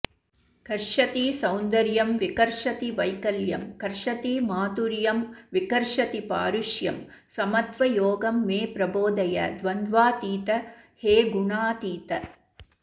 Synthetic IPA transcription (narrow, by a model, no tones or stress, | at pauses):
kɐɾʂɐt̪isɐwnd̪ɐɾjɐmʋikɐɾʂɐt̪iʋɐjkɐljɐmkɐɾʂɐt̪imaːt̪uɾjɐmʋikɐɾʂɐt̪ipaːɾuʃjɐm | sɐmɐt̪ʋɐjoːɡɐmːeːpɾɐboːd̪ɐjɐ̰d̪ʋɐnd̪ʋaːt̪iːt̪ɐ | heːɡuɳaːt̪iːt̪ɐ